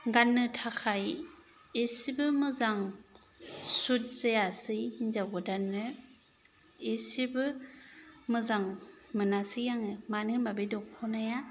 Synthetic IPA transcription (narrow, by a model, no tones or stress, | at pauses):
ɡanːɯtʰakʰaj | esibɯmɯzaŋ | sut̚zejasɯjhiɲzaɡɔdanːɯ | esibɯ | mɯzaŋmɯnasɯjaŋɯmanɯnbabedɔkʰɔnaja